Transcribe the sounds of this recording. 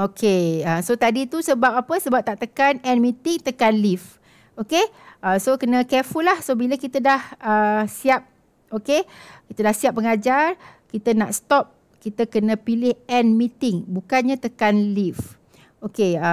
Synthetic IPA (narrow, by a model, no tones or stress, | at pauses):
okʰeəsot̪adit̪usəbap̚apəsəbap̚t̪aʔt̪əkanɛnmĩt̪ɪŋt̪əkanlif | okeəsokənə̃kɛfulːahsobiləkit̪ədahəsiap̚ | okekit̪ədahsiap̚ːəŋad͡ʒarkit̪əna̰ʔst̪ɔp̚ | kit̪əkənə̃pilɪhɛnmit̪ɪŋbukanɲãt̪əkanlif | okeə